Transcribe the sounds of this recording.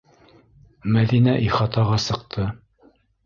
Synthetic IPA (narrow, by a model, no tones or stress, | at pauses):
mæðinæʔiχɑt̪ɑʁɑsɤ̆q̚t̪ʰɤ